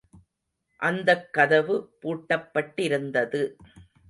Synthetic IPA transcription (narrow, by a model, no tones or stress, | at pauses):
ʔɐnd̪ɐkːɐðɐʋɯpuːʈːɐpːɐʈːɪɾɯnd̪ɐðɯ